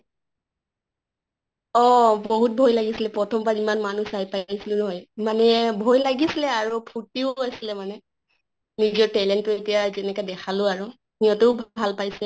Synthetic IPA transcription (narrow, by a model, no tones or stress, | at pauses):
ɔbɔɦut̚bʱɔjlaɡisilɛpɹɔtʰɔmbaɹimanmanusajpajsilʊnɔɦɔjmanɛbʱɔjlaɡisilɛaɹupʰutiʊasilɛmanɛ | nizɔɹtɛlɛntʊetijazɛnɛkadɛkʰalʊaɹu | nijɔtɛʊbʱalpajsɛ